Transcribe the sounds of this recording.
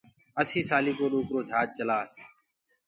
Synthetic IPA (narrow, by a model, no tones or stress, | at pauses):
əsiːsaːliːkoːɗoːkɾoːd̪ʱaːt̪̚t͡ʃəlaːs